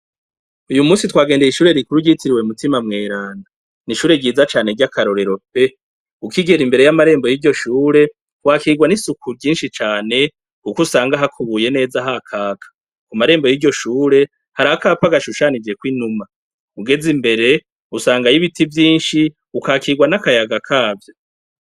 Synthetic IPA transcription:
ujumuːsitwaːɡe̞ːnde̞jiʃuːɾe̞ɾikuɾuɟitiɾiweumutimamŋe̞ːɾaːnda | niʃuːɾe̞ɟiːzat͡ʃaːne̞ɾɟakʰaɾo̞ɾe̞ɾo̞p̚e̞ | ukiɡeɾimbe̞ɾe̞jamaɾe̞ːmbo̞jiɾɟo̞ʃuːɾe̞ | waːkiɡwanisukʰuɾɟiːnʃit͡ʃaːne̞ | kukusaːŋɡaɦakʰuβuje̞ne̞ːzaɦakʰaːkʰḁ | kumaɾe̞ːmbo̞jiɾɟo̞ʃuːɾe̞ | haɾahakaːpaɡaʃuʃanid͡ʒe̞kwinuma | uɡe̞zimbe̞ɾe̞ | usaːŋɡajiβitʰivjiːnʃi | ukakiiɡwanakajaɡakʰaːvjo

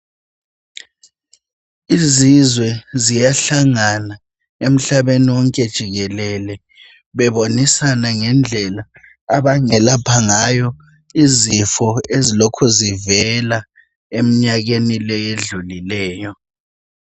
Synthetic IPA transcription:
izizwɛzijaɬaŋana | em̩ɬaβeniwɔŋkʼɛd̥ʒ̥ʱiɣɛlɛlɛ | βɛβonisanaŋɛnd͡ɮʱɛlaː | βaŋɛlapʰaŋajɔ | izifɔezilokʰuzivɛla | em̩ɲaɣenilɛjeɮulilɛːjɔ

